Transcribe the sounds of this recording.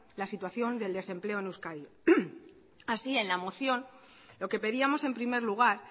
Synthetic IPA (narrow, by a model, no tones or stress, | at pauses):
lasit̪waθjo̞nd̪e̞ld̪e̞se̞mple̞oenewskaɾjo | asie̞nlamo̞θjo̞n | lo̞ke̞pe̞ðiamo̞se̞mpɾime̞ɾluɣ̞aɾ